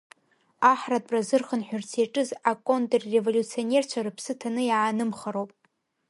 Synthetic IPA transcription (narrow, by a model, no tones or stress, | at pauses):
aħrat̚ʼpʼrazɨrχənħʷᶣʊrt͡sʰeʈ͡ʂʼɨzakʼo̞ntʼrːe̞volʲut͡sʰio̞nʲe̞rt͡ʃʷʰarɨpʰsɨtʰanɨjaːnɨmχaɾowpʼ